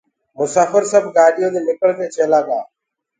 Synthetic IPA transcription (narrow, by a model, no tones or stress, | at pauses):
mʊsaːfəɾsəbʱɡaːɗɪjoːd̪eːnɪkəɭk̪ẽːt͡ʃʰeːlaːɡaː